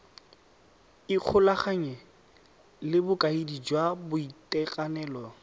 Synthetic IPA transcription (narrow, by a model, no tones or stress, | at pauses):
iq͡χʰʊlaχaɲɛ | lɪbʊkʼaidid͡ʒwabʊitʼɛkʼanɛːlɔ